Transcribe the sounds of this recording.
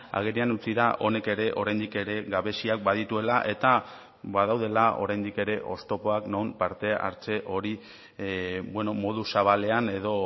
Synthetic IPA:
a̰ɣ̞eɾianut͡siðaʔo̞ne̞ke̞ɾe̞ʔo̞ɾajnd̪ike̞ɾe̞ɣaβe̞siak̚baðit̪ue̞laʔe̞t̪a | βaðawðe̞lao̞̰ɾajnd̪ike̞ɾe̞ʔo̞st̪o̞po̞akno̞mpaɾt̪e̞a̰ɾt͡se̞ʔo̞ɾi | bwenomo̞ðusaβ̞ale̞ane̞ðo̞

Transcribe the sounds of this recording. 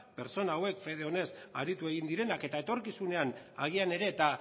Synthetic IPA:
pe̞ɾt͡so̞naːwe̞kfe̞ð̞e̞o̞ne̞saɾit̪ue̞ɣind̪iɾe̞nake̞t̪ae̞t̪o̞ɾkisune̞ana̰ɣ̞iane̞ɾe̞ːt̪a

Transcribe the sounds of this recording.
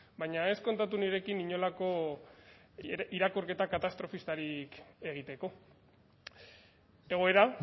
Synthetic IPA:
bajɲae̞sko̞nt̪at̪uniɾe̞kiniɲo̞lako̞ | iɾakoɾke̞t̪akat̪ast̪ɾo̞fist̪aɾike̞ɣ̞it̪e̞ko̞ | e̞ɣ̞o̞e̞ɾa

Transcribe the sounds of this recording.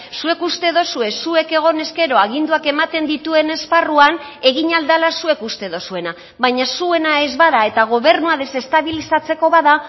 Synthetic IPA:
sue̞kust̪e̞ðo̞sue̞sue̞ke̞ɣ̞o̞ne̞ske̞ɾo̞aɣ̞ind̪uake̞mat̪e̞nd̪it̪ue̞ne̞sparuan | e̞ɣiɲald̪alasue̞kust̪e̞ðo̞sue̞na | βajɲasue̞nae̞zβaðae̞t̪aɣ̞o̞βe̞ɾnuaðe̞se̞st̪aβilisat͡se̞ko̞βaða

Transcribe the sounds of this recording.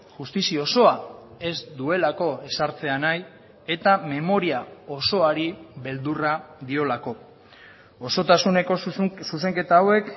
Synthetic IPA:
ʝust̪isio̞so̞ae̞zd̪ue̞lako̞e̞saɾt͡se̞anaj | e̞t̪ame̞mo̞ɾiao̞so̞aɾiβe̞ld̪urad̪io̞lako̞ | oso̞t̪asune̞ko̞sus̬e̞ŋke̞t̪aːwe̞k

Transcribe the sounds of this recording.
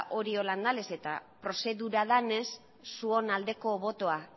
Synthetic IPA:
ʔo̞ɾio̞land̪ale̞se̞t̪a̰pɾo̞se̞ðuɾaðane̞sː | uo̞nald̪e̞ko̞βo̞t̪o̞a

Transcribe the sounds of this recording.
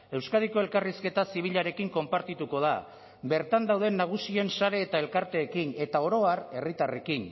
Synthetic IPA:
e̞wskaðiko̞e̞lkariske̞t̪asiβ̞iʎaɾe̞kiŋko̞mpaɾt̪it̪uko̞ð̞a | be̞ɾt̪and̪awðe̞nːaɣ̞usie̞nsaɾe̞ːt̪ae̞lkaɾt̪e̞ːkine̞t̪ao̞ɾo̞aɾe̞rit̪are̞kin

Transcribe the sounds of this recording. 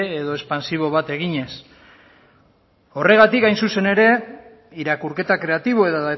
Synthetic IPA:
eðo̞e̞spansiβ̞o̞βat̪e̞ɣ̞iɲe̞s | o̞re̞ɣ̞at̪ikajnsuse̞ne̞ɾe̞ | iɾakuɾke̞t̪akɾe̞at̪iβ̞o̞e̞ða

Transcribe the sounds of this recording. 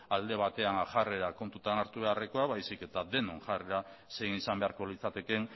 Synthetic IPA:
ald̪e̞β̞at̪e̞anaʝare̞ɾako̞nt̪ut̪anaɾt̪uβe̞areko̞aβajsike̞t̪aðe̞nonʝareɾa | se̞inisambe̞aɾko̞lit͡sat̪e̞ke̞n

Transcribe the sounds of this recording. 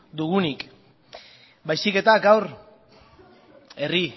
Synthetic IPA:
d̪uɣunik | bajsike̞t̪aɡawɾ | e̞ri

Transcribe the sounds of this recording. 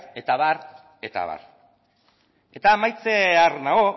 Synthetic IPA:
e̞t̪aβaɾ | e̞t̪a̰βa̰ɾ | e̞t̪aːmajt͡searnaɣo̞

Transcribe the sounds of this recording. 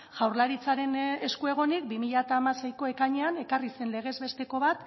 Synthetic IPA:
ʝ̥awɾlaɾit͡saɾe̞ne̞skue̞ɣ̞o̞nik̚bimiʎat̪aːmasejko̞e̞kaɲeane̞karise̞nle̞ɣ̞e̞zβe̞st̪e̞ko̞βat̪

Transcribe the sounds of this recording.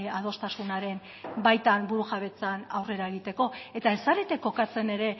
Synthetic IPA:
að̞o̞st̪asunaɾe̞n | bajt̪anbuɾuʝaβe̞t͡sanawre̞ɾae̞ɣ̞it̪e̞ko̞e̞t̪ae̞saɾet̪e̞kːo̞kat͡se̞ne̞ɾe̞

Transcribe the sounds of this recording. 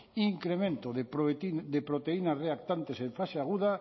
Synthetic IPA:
iŋkɾemẽnt̪oðepid̪epɾot̪einasreak̚t̪ant̪esẽɱfaseaɣuða

